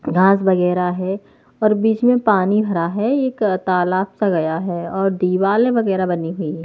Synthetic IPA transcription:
ɡʱãːs̬bɐɣɛːɾaɦɛ | ɔːɾbiːt͡ʃmẽpaːnibʱɐɾaɦɛeːkt̪aːlaːpsaɡɐjaɦɛɔːɾɖiːʋaːlẽbɐɡɛːɾabɐniɦʊi

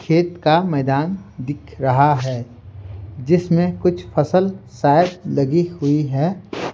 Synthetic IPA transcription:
kʰeːt̪kamɛːd̪aːnd̪ɪkʰɾɐɦaɦɛː | d͡ʒɪsmẽkʊt͡ʃʰfɐsəlsaːɪəb̚lɐɡihʊiɦɛː

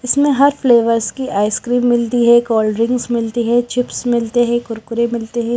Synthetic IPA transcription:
ɪsmẽɦɐɾfleːʋəɾskiʔaːɪskɾiːmːɪlt̪iɦɛkɔːlɖɾɪ̃ŋɡzmɪlt̪iɦɛt͡ʃɪpsmɪlt̪eɦɛ̃kʊɾkʊɾemɪlt̪eɦɛ̃ː

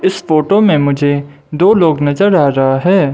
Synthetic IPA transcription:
ɪsfoːʈomẽmʊd͡ʒʱe | d̪oːloːɡnɐzəɾːaːɾɐɦaɦɛː

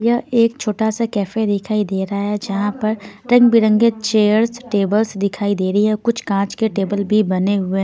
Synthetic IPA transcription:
jɐɦeːkt͡ʃʰoːʈasakɛːfed̪ɪkʰaːid̪eːɾaɦɛd͡ʒɐɦãpɐɾɾɐ̃ŋɡbɪɾə̃ŋɡet͡ʃeːəɾsʈeːbəlsd̪ɪkʰaːid̪eːɾɐɦiɦɛ̃kʊt͡ʃʰkãːt͡ʃkeʈeːbəlbʱibɐneɦʊe

